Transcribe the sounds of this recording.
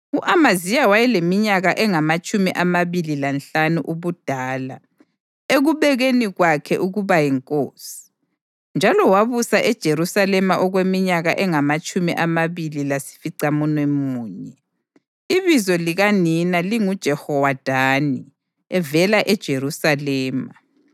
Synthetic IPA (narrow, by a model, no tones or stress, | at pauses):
uʔamazijawajɛlemiɲaɣaʔɛŋamat͡ʃʼumiʔamaβililant͡ɬanuʔuβud̥ʱaːla̰ | eɣuβɛɣeniɣwakʰɛ̰ʔuɣuβajɛŋkʼoːsi̥ | nd͡ʒʱalɔwaβusaʔɛd̥ʒ̥ʱeɾusalɛmaʔɔɣwemiɲaɣaʔɛŋamat͡ʃʼumḭʔamaβililasi̥fiǀamunwɛmuːɲɛ | iβizɔliɣaninaliŋud̥ʒ̥ʱɛhɔwad̥ʱani | ɛvɛlaʔɛd̥ʒ̥ʱeɾusalɛːma